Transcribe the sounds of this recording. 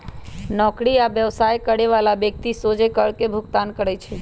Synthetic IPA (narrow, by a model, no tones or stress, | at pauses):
nɔkɽiabjəʋsajkəɽeʋalabjək̚t̪isod͡ʒekəɽkebʱʊkt̪ankəɾət͡ʃʰe